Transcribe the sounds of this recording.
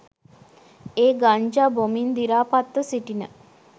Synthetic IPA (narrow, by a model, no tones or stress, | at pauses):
eːɡaɲd͡ʒabomind̪iɾaːpat̪ːəsiʈinə